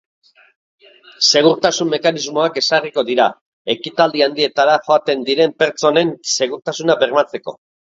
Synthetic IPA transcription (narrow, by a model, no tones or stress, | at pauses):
se̞ɣ̞uɾt̪asumːe̞kanizmo̞ake̞sariko̞ðiɾa | e̞kit̪ald̪iand̪ie̞t̪aɾaxo̞at̪e̞nd̪iɾe̞mpe̞ɾt͡so̞ne̞nse̞ɣuɾt̪asunabe̞ɾmat͡se̞ko̞̰